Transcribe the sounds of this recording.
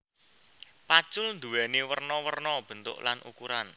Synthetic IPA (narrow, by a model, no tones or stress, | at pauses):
pḁt͡ʃʊlnd̪uwɛnewərnɔwərnɔb̥ə̤nt̪ʊ̰ʔlanʔṵkuɾan